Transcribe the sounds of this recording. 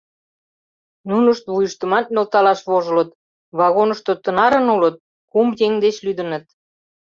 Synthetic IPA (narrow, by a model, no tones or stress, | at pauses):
nunəʃt̪βujəʃt̪ə̆mɑt̪̚nʲolt̪ɑlɑʃβoʒə̆lə̆t̪ | βɑɣonəʃt̪ot̪ə̆nɑɾə̆nulət̪̚ | kumjeŋd̪et͡ɕlyd̪ənə̆t̪̚